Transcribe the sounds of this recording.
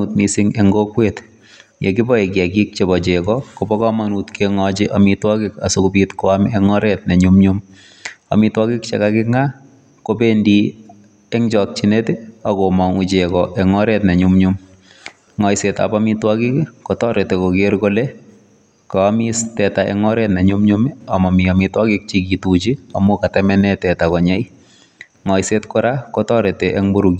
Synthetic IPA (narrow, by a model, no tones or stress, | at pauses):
utmisiŋeŋɡokwet | jekibɔek̬jekik̚t͡ʃebɔt͡ʃekɔkobɔkamanutkeŋɔt͡ʃiʔamitwakɪkasokupitkɔameŋɔɾɛt̚neɲumɲum | a̰mitwakikt͡ʃḛkakɪŋa | kopendi | eŋt͡ʃɔk̚t͡ʃineteakomɔŋut͡ʃekɔʔeŋɔɾɛtneɲumɲum | ŋɔjseta̰pamitwakikkɔtɔɾetekokeɾkole | kɔamistɛtaʔɛ̰ŋɔɾɛtneɲumɲumiamɔmiamitwakik̚t͡ʃikitut͡ʃiamokatɛmɛnɛtɛtakɔɲɛj | ŋɔjsetkʊɾakɔtɔɾeteʔeŋbuɾuki